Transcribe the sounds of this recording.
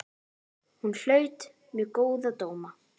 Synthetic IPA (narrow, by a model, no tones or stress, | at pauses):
hunl̥œːɥt̪ | mɛkoːwðat̪oːwma